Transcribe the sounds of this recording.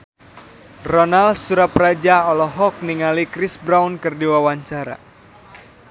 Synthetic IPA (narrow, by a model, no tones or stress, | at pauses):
rɔnalsuɾaprad͡ʒaɔlɔɦɔk̚niŋalikɾisbɾawnkɨrdiwawaɲt͡ʃaɾa̰